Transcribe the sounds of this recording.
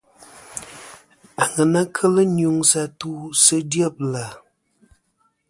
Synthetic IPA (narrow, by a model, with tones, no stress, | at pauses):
a˨ŋə˨na˦kʰə˦lə˦nu˨ŋsa˦tu˦sə˦djɔ˦˨p̚la˨